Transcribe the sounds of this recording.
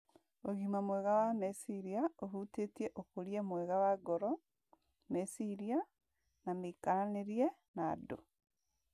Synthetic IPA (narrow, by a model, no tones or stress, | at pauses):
oɣimamwɛɣawamesiɾiaoɦutetiɛʔokoɾiɛmwɛɣawaɡɔɾɔ | mesiɾia | namekaɾaneɾiɛ | nado